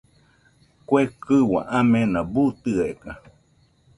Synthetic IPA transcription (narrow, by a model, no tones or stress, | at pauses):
kʷekɨwa̰ʔãmẽnãbut̪ɨeka